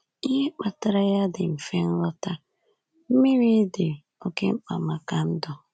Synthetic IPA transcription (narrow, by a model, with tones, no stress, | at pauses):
i˦ɦe˦k͡pa˨ta˦ɾa˦ja˦dɪ˨m̩˨fe˦n̩˦ɾɔ˦ta˦ | m̩˦mi˦ɾi˦dɪ˨ | o˦ke˦ŋ͡m̩˦k͡pa̰˨ma˨ka˨n̩˦dɔ˨